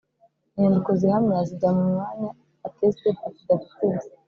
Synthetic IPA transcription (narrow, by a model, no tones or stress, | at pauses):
ɲandikozihamɲaziɟamumwaɲaː | testiazidaku̥kuːza